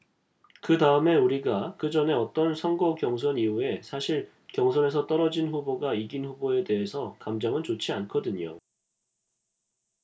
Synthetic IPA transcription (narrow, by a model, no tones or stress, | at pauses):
kɯtaɯme̞uɾiɡakɯd͡ʑʌne̞ʌt͈ʌnsʰʌŋɡʌkjʌŋs̬ʰʌniue̞sʰaɕʰiɭ | kjʌŋsʰʌne̞sʰʌt͈ʌɾʌd͡ʑinɸuboɡaiɡinɸuboe̞de̞ɦe̞sʰʌkamd͡ʑʌŋɯnt͡ɕot͡ɕʰiankʰʌdɯɲo̰